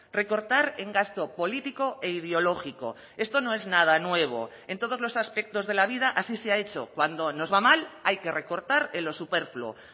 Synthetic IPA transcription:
re̞ko̞ɾt̪aɾe̞ŋɡast̪o̞po̞lit̪iko̞e̞ið̞eo̞lo̞xiko̞̰ | e̞st̪o̞no̞e̞znað̞anwe̞β̞o̞̰ | e̞nt̪o̞ð̞o̞zlo̞saspe̞k̚t̪o̞zðe̞laβ̞ið̞aʔasiseae̞t͡ʃo̞̰kwand̪o̞no̞zβamalajke̞re̞ko̞ɾt̪aɾelo̞supe̞ɾflo̰

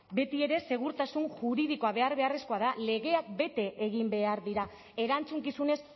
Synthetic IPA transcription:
be̞t̪ie̞ɾe̞se̞ɣ̞uɾt̪asunʝuɾiðiko̞aβe̞aɾβe̞are̞sko̞aðale̞ɣe̞ak̚be̞t̪e̞ʔeɣ̞imbe̞aɾðiɾa | e̞ɾant͡suŋkisune̞s

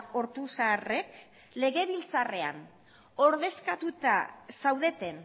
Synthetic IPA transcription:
o̞ɾt̪usare̞k | le̞ɣe̞βilt͡sare̞a̰n | o̞ɾðe̞skat̪ut̪a̰sawðe̞t̪e̞n

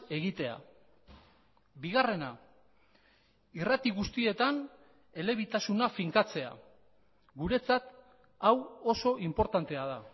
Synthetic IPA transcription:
e̞ɣit̪e̞a̰ | biɣ̞are̞na | irat̪iɣust̪ie̞t̪an | e̞le̞β̞it̪asunafiŋkat͡se̞a̰ | ɣuɾe̞t͡sat̪ | awo̞so̞ʔimpo̞ɾt̪ant̪e̞að̞a

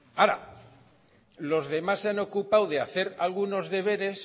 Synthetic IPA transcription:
aɾa̰ | lo̞zðe̞masːeano̞kupawðe̞aθe̞ɾalɣuno̞zðe̞β̞e̞ɾe̞s

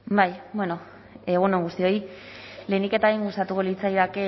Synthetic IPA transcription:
bajbwe̞no̞ | eɣ̞unoŋɡust̪io̞j | le̞nike̞t̪aiŋɡust̪at̪uko̞lit͡sajɾake̞

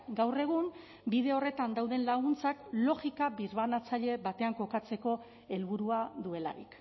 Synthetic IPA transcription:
ɡawre̞ɣ̞um | biðe̞o̞re̞t̪and̪awðe̞nlaɣunt͡saklo̞ɣikabiɾβanat͡saʎe̞bat̪e̞aŋko̞kat͡se̞ko̞ | e̞lβuɾuaðue̞la̰ɾḭk

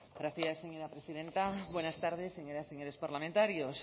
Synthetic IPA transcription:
ɾaθiaseɲoɾapɾesiðe̞nt̪abwe̞nast̪aɾð̞eseɲoɾaseɲoɾespaɾlamẽnt̪aɾjos

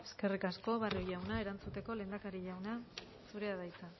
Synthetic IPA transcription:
e̞̥ske̞rikasko̞βarojawnae̞ɾant͡sut̪e̞ko̞le̞ːnd̪akaɾiʎawna | suɾe̞aðajt͡sa

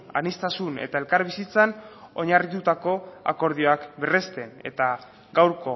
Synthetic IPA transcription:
a̰nist̪asune̞̰t̪ae̞lkaɾβ̞isit͡sano̞ɲarit̪ut̪ako̞a̰ko̞ɾðio̞akbe̞rest̪e̞ne̞̰t̪a | ɡawɾko̞

